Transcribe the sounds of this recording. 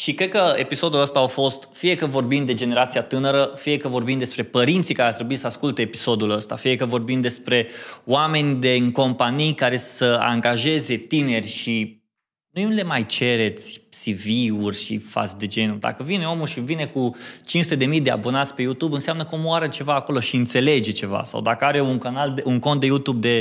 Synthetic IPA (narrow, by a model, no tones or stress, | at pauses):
ʃikɾe̞d̪̚kəe̞̰piso̞d̪uləst̪aafo̞st̪fije̞kəvo̞rbimd̪e̞d͡ʒe̞ne̞ɾat̪siat̪ɨnəɾəfijekəvo̞rbimd̪e̞spɾe̞pəɾint̪sikaɾeart̪ɾe̞buit̪səaskult̪e̞ːpiso̞d̪uləst̪a̰fije̞kəvo̞rbimd̪e̞spɾe̞wame̞nʲd̪e̞ɨŋko̞mpanijkaɾe̞səa̰ŋɡaʒe̞ze̞t̪ine̞rʲʃi | nujunle̞majt͡ʃe̞ɾe̞t̪sʲsiviurʲʃḭfa̰t̪sʲd̪e̞d͡ʒe̞nud̪a̰kəvineo̞mulʃivine̞kut͡ʃinsut̪e̞d̪e̞mijd̪ea̰bo̞nat̪sʲpe̞jut̪ubɨnseamnəkomoaɾət͡ʃe̞vaːko̞lo̞ʃiɨnt̪se̞le̞d͡ʒe̞t͡ʃe̞va̰sa̰wd̪akəaɾeuŋkanaleuŋkont̪d̪e̞jut̪ub̚d̪e̞